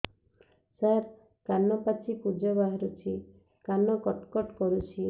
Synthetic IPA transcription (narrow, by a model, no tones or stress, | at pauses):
saɾ | kanɔpat͡ʃʰikud͡ʒɔbaɦɔɾut͡ʃʰi | kanɔkɔʈkɔʈkɔɾut͡ʃʰi